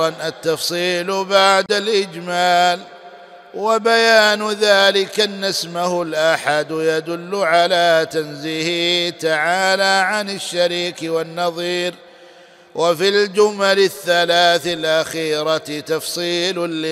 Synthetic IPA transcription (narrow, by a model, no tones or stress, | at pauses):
nʔat̪ːɑfsˤiːlbaʕd̪alʔɪd͡ʒmaːl | wabajaːnðaːlɪkanːasmahʊlʔaħad̪jad̪ʊlːʊʕalaːt̪anziːhɪt̪aʕaːlaːʕanɪʃːaɾiːkwanːɑðˤiːɾ | wʔafild͡ʒʊmalɪθːalaːθɪlʔaxiːɾat̪ɑfsˤiːlɪ